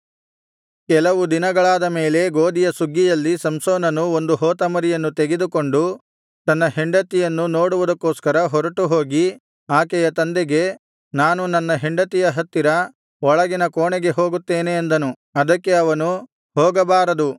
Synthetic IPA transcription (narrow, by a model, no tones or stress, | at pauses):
kɛlɐʋud̪inɐɡɐɭaːd̪ɐmeːle̞ɡoːd̪ijɐsuɡːijɐlːisɐmsoːnɐnuond̪uɦoːt̪ɐmɐɾijɐnːut̪eɡed̪uko̞ɳɖu | t̪ɐnːɐɦeɳɖɐt̪ijɐnːuno̞ːɽuʋud̪ɐkːoːskɐɾɐɦɔɾɐʈuɦoːɡi | aːkɛjɐt̪ɐnd̪eɡe̞ | naːnunɐnːɐɦeɳɖɐt̪ijɐɦɐt̪ːiɾɐ | ɔɭɐɡinɐkoːɳɛɡe̞ɦoːɡut̪ːeːneːnd̪ɐnu | ɐd̪ɐkːe̞ɐʋɐnu | ɦoːɡɐbaːɾɐd̪u